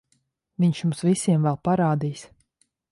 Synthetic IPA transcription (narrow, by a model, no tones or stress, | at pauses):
viɲʃjumsvisʲiɛmvɛlˠpaɾaːd̪ijs